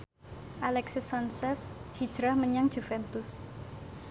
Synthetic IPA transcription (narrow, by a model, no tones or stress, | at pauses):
ʔalɛksisɔnsɛshid̥ʒ̥ɾahməɲaŋ̥ʒ̥ufɛnt̪ʊs